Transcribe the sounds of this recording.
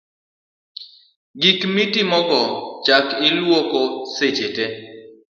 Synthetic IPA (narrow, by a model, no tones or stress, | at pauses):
ɡikmitimɔɡɔt͡ʃakɪlwokoset͡ʃete